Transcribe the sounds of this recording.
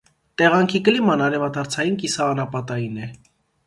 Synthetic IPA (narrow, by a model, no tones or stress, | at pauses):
t̪ɛʁɑŋkʰikəlimɑnɑɾɛvɑt̪ʰɑɾt͡sʰɑjinkisɑːnɑpɑt̪ɑjinɛ